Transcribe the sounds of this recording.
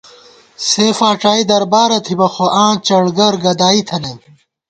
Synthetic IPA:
seːfaːʈ͡ʂaːid̪ɐɾbaːɾɐt̪ʰibɐxoʔãːt͡ɕɐɽɡɐɾɡɐd̪aːit̪ʰɐne

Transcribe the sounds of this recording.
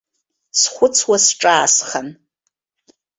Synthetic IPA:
sχʷʊt͡sʰwasʈ͡ʂʼaːsχan

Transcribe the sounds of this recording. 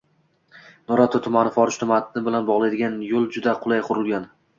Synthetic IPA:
nɒɾat̪ʰot̪ʰʊmanɪfɒɾɪʃt̪ʰʊmat̪ʰɪnɪbɪlanbɒʁlˠajd̪ɪɡʲanjolˠd͡ʒʊd̪aqʰʊlˠajqʰʊɾɪlˠɡʲan

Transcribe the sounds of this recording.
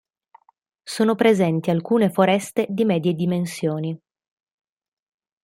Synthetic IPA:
soːnopɾezɛnt̪ialkuːnefoɾɛst̪ed̪imɛːd̪jed̪imensjoːni

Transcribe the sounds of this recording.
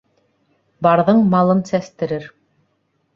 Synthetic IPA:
bɑɾðɤɴmɑlˠɤnsæst̪ɘ̆ɾɘɾ

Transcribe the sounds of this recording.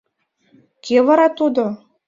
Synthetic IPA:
kʲʰevɑɾɑt̪ud̪o

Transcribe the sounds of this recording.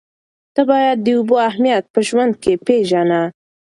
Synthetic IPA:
d̪̥abɑjad̪̚ːəuboahmijat̪̚pəʒwand̪̚kepeʒana

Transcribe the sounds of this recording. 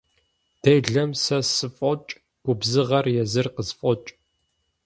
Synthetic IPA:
d̥ejɮɐmsɐsɨfʼɔt͡ʃʼ | ɡ̥ʷʊbzɨʁɐrjɛzɨrqəzfʼɔt͡ʃʼ

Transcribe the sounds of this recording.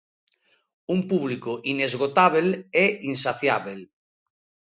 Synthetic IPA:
umpuβlikoʔinezɣot̪aβ̞elɛinsaθjaβel

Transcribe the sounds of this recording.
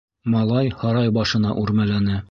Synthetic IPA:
mɒlˠɑjhɒɾɑjbɒʃɤ̆nɑʔuɾmælænɘ

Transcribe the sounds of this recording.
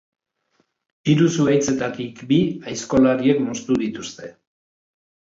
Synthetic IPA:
iɾusuajt͡se̞t̪at̪ikbiajsko̞laɾie̞kmo̞st̪uðit̪ust̪e̞

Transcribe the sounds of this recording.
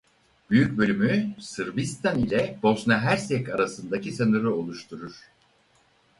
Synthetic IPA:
b̥yjyc̚bølʲymysɯɾbist̪ʰanilʲɛbo̞snaɦæɾsɛkaɾasɯnd̪acisɯnuɾuo̞lˠuʃt̪ʰuɾuɾ̥

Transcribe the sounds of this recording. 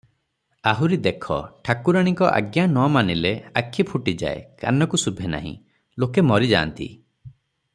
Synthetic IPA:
aɦuɾid̪ekʰɔ̰ʈʰakuɾaɽ̃iŋkɔʔa̰ɡjanɔmanileakʰːipʰuʈid͡ʒa̰ḛka̰nɔkusubʱena̰ɦḭ̃ | lokemɔɾid͡ʒaːnt̪ḭ

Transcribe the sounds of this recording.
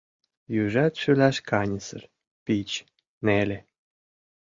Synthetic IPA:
jyʒæt̪ʃylæʃkɑnʲəsə̰r | pit͡ɕ | nelʲe

